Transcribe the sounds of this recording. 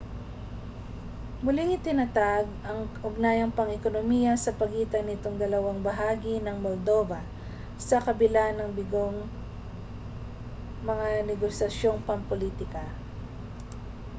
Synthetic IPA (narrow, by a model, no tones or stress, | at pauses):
mʊlɪŋɪt̪ɪnɐt̪aɡʔɐŋʔʊɡ̚naːjɐŋpɐŋɛkonomijɐsɐpɐɡiːt̪ɐnɪt̪oŋd̪ɐlɐwaŋbɐɦaːɡinɐŋmold̪o̞ːvɐ | sɐkɐbɪlanɐŋbɪɡoŋ | mɐŋanɛɡosɐsjo̞ŋpɐŋpoliːt̪ɪkɐ